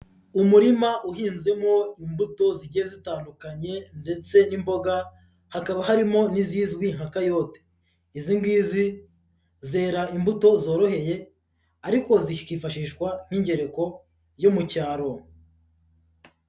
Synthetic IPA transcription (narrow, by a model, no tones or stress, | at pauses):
umuɾimaʔuɦiːnze̞mo̞imbuto̞ziɟijezitaːndukaɲe̞nde̞t͡se̞nimbo̞ɡa | hakaβahaɾimo̞niziːzɡwiŋ̥hakajo̞te̥ | iziŋɡiːzi | ze̞ːɾaimbuto̞zo̞ːɾo̞ɦe̞je̞ | aɾiko̞zikiːfaʃiːʃkwan̥hiɲɟe̞ɾe̞ko̞ | jomucaːɾo̞